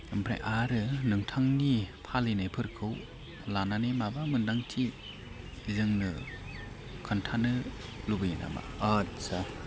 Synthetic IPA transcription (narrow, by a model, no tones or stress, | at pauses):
ɯmpʰɾa̰jʔaɾɯnɯŋtʰaŋnipʰalenajpʰɯɾkʰɯw | lananemabamɯndaŋtʰi | zɯŋnɯ | kʰɯntʰanɯlubɯjɯna̰ma̰atsa